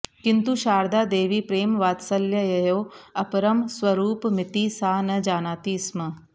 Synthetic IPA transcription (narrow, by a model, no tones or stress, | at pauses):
kɪ̃nt̪uʃaːɾd̪aːd̪eːʋipɾeːmʋaːt̪sɐljɐjɐjoːɐpɾɐmswɐɾuːpmɪt̪isaːnɐd͡ʒaːnaːt̪iːsmɐ